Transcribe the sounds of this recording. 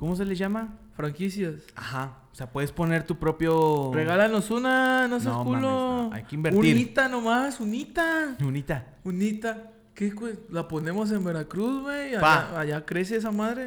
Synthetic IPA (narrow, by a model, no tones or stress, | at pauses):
komo̞s̬e̞leʝamafɾaŋkisjasaxaoseapwe̞ðespo̞ne̞ɾt̪upɾo̞pjoreɣalano̞sunanos̬ekuloa̰jkeimbeɾut̪niɾit̪anomasunit̪aunit̪a | unit̪a | kekwelapone̞mo̞s̬e̞mbe̞ɾakɾuzweabaaaʝakɾe̞s̬ees̬amaðɾe